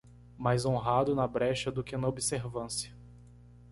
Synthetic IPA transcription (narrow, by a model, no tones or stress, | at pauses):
majzõɦad̪ʊnɐbɾɛʃɐd̪ʊkɪnɐobɪseɾvɐ̃sjɐ